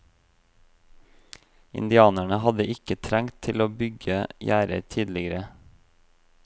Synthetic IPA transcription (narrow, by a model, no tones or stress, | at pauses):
ɪ̰nd̪ɪɑːnæɳəhɑd̪əʔɪkət̪ʰɾæŋt̪ʰɪloːbʏɡəjæːɾə̰ɾt̪ʰiːd̪lɪɡəɾə